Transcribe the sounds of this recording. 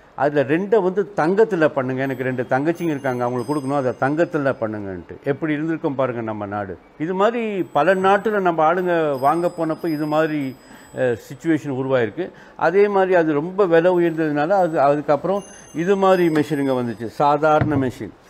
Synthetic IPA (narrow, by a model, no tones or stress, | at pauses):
ʔɐ̰ðɪlɐɾɛɳɖɐʋɐnd̪ɯt̪ɐŋɡɐt̪ːɯlɐpɐɳːɯŋɡɐɛnɐk̬ːɯɾɛɳɖɯt̪ɐŋɡɐt͡ʃːɪŋɪɾɯkːaːŋɡɐʋɐŋɡɐɭɯkːɔɽɯkːɐnʊ̃ɐðɐt̪ɐŋɡɐt̪ːɯlɐpɐɳːɯŋɡɐ̰nʈːɯ̰ʔɛpːɐɽiɪɾɯnd̪ɯɾɯkːɐmpaːɾɯŋɡɐnɐmːɐna̰ːɽɯ̰ | ɪðɯmaːd̪ɾipɐlɐnaːʈːɯlɐnɐmbɐaːɻɯŋɡɐʋaːŋɡɐpːoːnɐpːoːɪðɯmaːdɾi | sɪt͡ʃːʊʋeːʂɐnʊɾʊʋaːjɪɾɯkːɯ | ʔɐ̰ðeːmaːd̪ɾiɐðɯɾɔmbɐʋɛlɐʋɯɪɾɯnd̪ɐðɯnaːlɐɐðɯɐðɯkːɐpːɯɾɔ̃ | ɪðɯmaːdɾimɛʂinɯŋɡɐʋɐnd̪ɯt͡ʃːɯsaːðaːɾɐɳɐmɛʂḭːn